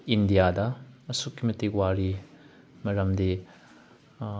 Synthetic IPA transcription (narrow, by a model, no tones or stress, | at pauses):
indijadɐɐsukːimɐtiwaɾi | mɐɾɐmdi